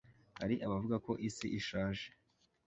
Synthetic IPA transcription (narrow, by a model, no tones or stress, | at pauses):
ha̰ɾiʔaβavuɡako̞ʔisiʔiʃaːʒe̥